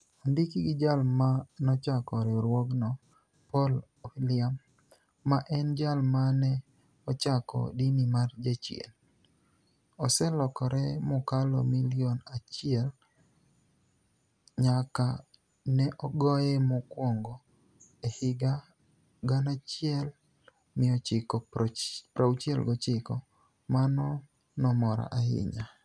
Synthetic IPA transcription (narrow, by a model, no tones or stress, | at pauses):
andikiɡɪd͡ʒalmanɔt͡ʃakɔɾɛɾwɔknɔ | pɔl | ofilɪamː | aʔɛnd͡ʒalmanɛ | ɔt͡ʃakɔ̰dinimard͡ʒat͡ʃɛ̰l | ɔsɛlɔkɔɾɛmɔkalɔ̰milɪonat͡ʃɪɛl | ɲaka | nɛʔɔɡɔjɛmɔkwɔŋɡɔ | ehɪɡa | ɡanat͡ʃɪɛl | mɪɔt͡ʃɪkɔpɾʔaut͡ʃɛlɡɔt͡ʃɪkɔ | manɔ | nɔmɔɾa̰ʔahɪ̰ɲa